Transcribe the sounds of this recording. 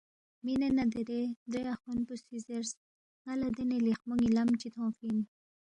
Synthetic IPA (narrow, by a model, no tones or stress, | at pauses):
minenad̪eɾed̪ɾeaxunpusizeɾs | halad̪enelixmuŋɡilamt͡ʃit̪ʰõːfin